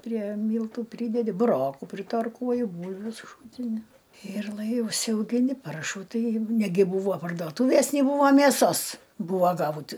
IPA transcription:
pʲrʲiɛ ˈmʲiːlˠtuː ˈpʲrʲiːdʲɛdʲɪ bʊˈroːkuː pʲrʲɪtɐrˈkuɔjʊ ˈbuːlʲʋʲʊ sʊˈʃuːtʲɪnʲɪ ɪr lˠɐɪ ʊʃʲsʲɛʊɡʲɪˈnʲɪ ˈpɐrʃuː ˈtɐɪ ˈnʲæːɡʲɪ ˈbuːʋoː pɐrduɔˈtuːʋʲeːs nʲɪ ˈbuːʋoː mʲeːˈsoːs ˈbuːʋoː ˈɡɐʊt

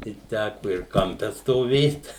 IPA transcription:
tɐɪ ˈtʲækʊ ɪr kɐmʲˈpʲɛ stoːˈʋʲeːt

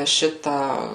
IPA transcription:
ˈʃʲɪtɑː

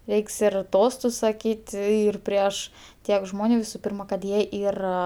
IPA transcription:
ˈrʲɛɪks ɪr ˈtoːstʊs sɐˈkʲiːtʲɪ ˈɪr ˈpʲrʲiɛʃ ˈtʲiɛk ˈʒmoːnʲʊ ʋʲɪsʊ ˈpʲiːrmɐ kɐt ˈjiɛ ˈiːrɐ

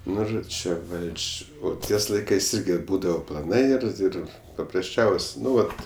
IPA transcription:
ˈnʊ ˈʒoː ˈt͡ʃʲɛ ˈʋɐlʲt͡ʃʲ ˈoː ˈtʲiɛs ˈlˠɐɪkɐɪs ˈɪrʲɡʲɪ ˈbuːdɐʋoː plˠɐˈnɐɪ ɪr ˈɪr pɐprɐsʲˈt͡ʃʲɛʊsʲ ˈnʊ ˈʋɐt

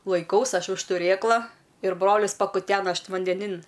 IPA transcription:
lˠɐɪˈkɐʊs ˈɐʃ ʊʃ tʊˈrʲeːklˠɐ ɪr ˈbroːlʲɪs pɐkʊˈtʲæːnɐ ˈɐʃ ʋɐnʲdʲɛˈnʲɪn

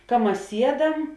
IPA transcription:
kɐ ˈmɐs ˈsʲiɛˌdɐm

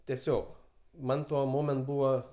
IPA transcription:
tʲɛˈsʲoːk ˈmɐn ˈtuɔ ˈmoːmʲɛnt ˈbuːʋɐ

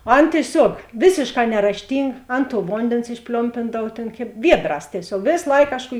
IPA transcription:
oː ˈɐn tʲiɛˈsʲuɔk ˈʋʲeːsʲeːʃˌkɑː nʲɛrɐʃʲˈtʲiːŋɡɐ ˈɐn tuɔ ˈʋoːnʲdʲeːns ɪʃʲˈpʲlʲoːmʲpʲɪndɐw tʲeːn kʲeːp ˈʋʲiɛdˌrɑːs tʲiɛˈsʲoːk ˈʋʲeːs ˈlˠɐɪk ˈkɑːʃˌkuː

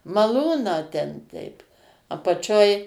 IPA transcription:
mɐˈlˠuːnɑː tʲɛn ˈtʲɛɪp ɐpɐˈt͡ʃʲoːj

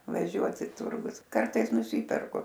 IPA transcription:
ʋɐˈʒʲuɔt ɪ ˈtʊrɡʊs ˈkɐrtɐɪs nʊˈsʲiːpʲɛrkʊ

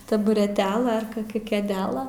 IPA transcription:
tɐbʊrʲɛˈtʲæːlˠɐ ɐr koːˈkʲɛ kʲeːˈdʲæːlˠɐ

